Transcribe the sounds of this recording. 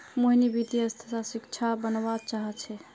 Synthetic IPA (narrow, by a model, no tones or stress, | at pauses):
moɦinibid̪ʱiəst̪ʰəsasikt͡ʃʰabənbat͡ʃaɦɛt͡ʃʰɛ